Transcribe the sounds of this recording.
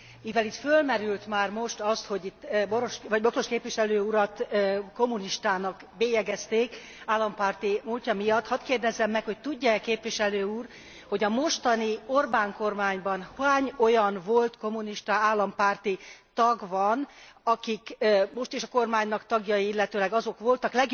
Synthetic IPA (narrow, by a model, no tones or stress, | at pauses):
mivɛlit̪følmɛɾylt̪maːrmo̞ʃt̪ɒst̪ho̞ɟit̪ːboɾoʃʋɒɟboklo̞ʃkeːpʋiʃɛløːuɾɒt̪ko̞muniʃt̪aːnɒk | beːjɛɡɛst̪eːk | aːlːɒmpaːrt̪imulcɒmijɒt̪ːhɒt̪keːrd̪ɛzːɛmːɛkho̞c̚t̪uɟːɒɛkeːpvʋiʃɛløːuːr | ho̞ɟɒmo̞ʃt̪ɒnio̞rbaːŋko̞rmaːɲbɒnhaːɲo̞jɒnvo̞lt̪ko̞muniʃt̪aaːlːɒmpaːrt̪it̪ɒɡʋɒnɒkikmo̞ʃt̪iʃɒko̞rmaːɲnɒkt̪ɒɡjɒjiilːɛt̪øːlɛɡɒzo̞kʋo̞lt̪ɒklɛɡ